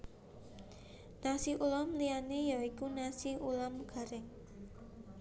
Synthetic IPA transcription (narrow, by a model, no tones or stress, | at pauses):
nasiʔulɔmlianejaikunasiulɔmɡ̥a̤ɾɛŋ